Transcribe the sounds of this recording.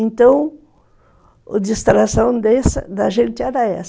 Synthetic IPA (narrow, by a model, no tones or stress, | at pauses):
ẽnt̪ɐ̃w̃ | ʊd͡ʒ̪ist̪ɾasɐ̃w̃d̪ɛsɐ̰d̪ɐʒẽnt̪ɪɛɾɐɛs